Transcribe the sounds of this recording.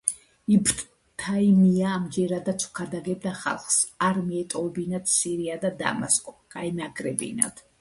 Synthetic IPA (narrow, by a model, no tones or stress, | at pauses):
ipʰt̪ | t̪ʰaimiaːmd͡ʒɛɾad̪at̪sʰu̥kʰad̪aɡɛbd̪aχa̰lˠχsaɾmiɛt̪ʼɔɛbinat̪siɾiad̪ad̪a̰ma̰skʼɔɡ̥ʼainaɡɾɛbḭna̰d̪̥ʰ